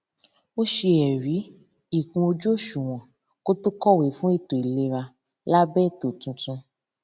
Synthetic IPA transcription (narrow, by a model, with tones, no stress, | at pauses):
o˦ʃe˧ɛ˨ɾi˨˦ | i˦˨kũ˧o˧d͡ʒu˦o˦˨ʃu˨w̃ɔ̃˨ | ko˦tu˦kɔ˦˨we˨˦fũ˦e˦˨to˨i˨le˧ɾa˧ | la˦bɛ˦˨to˨tũ˧tũ˧